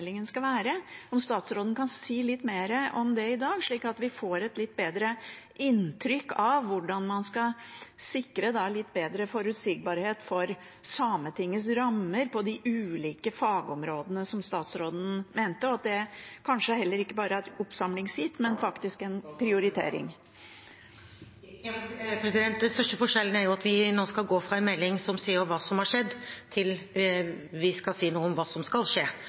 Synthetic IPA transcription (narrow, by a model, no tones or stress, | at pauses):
lɪŋənskɑʋæːɾəɔmst̪ɑːt̪sɾoːd̪ən̩kʰɑnsiːlɪt̪ːmeːɾəʔɔmd̪ɛɪd̪ɑːɡʂɭiːkɑt̪ʋɪfoːɾɛt̪lɪt̪̚ːbeːd̪ɾə | ʔɪnt̪ʰɾʏkːɑʋːʊɖɑnmɑnskɑsɪkɾəd̪ɑlɪt̪ːbeːd̪ɾəfɔɾʉt̪siːɡ̚bɑːɾheːt̪fɔɾ | sɑːmət̪ʰɪŋːəs̬ɾɑmːəɾpʰɔd̪ɪʔʉːliːkəfɑːɡɔmɾoːd̪ənəsɔmst̪ɑːt̪sɾoːd̪n̩meːnt̪əɔɑt̪̚d̪ɛkʰɑnʂəhɛlːəɾɪkːəbɑːɾəæt̪ʊpsɑmlɪŋshɪt̪ːmɛnfɑkt̪ɪskɛnpʰɾɪʊɾɪt̪ʰḛːɾɪ̰ŋ | pʰɾɛsɪd̪ɛnt̪̚d̪ɛst̪œʂʈəfɔʂɛlːənæɾjʊɑt̪ʋɪnoːskɑlɡoːfɾɑɛnmɛlːɪŋsɔmsiːəɾʋɑːsɔmhɑʂɛd̪ːt̪ʰɪl | ʋɪskɑlsiːnuːəɔmʋɑːsɔmskɑlʂeː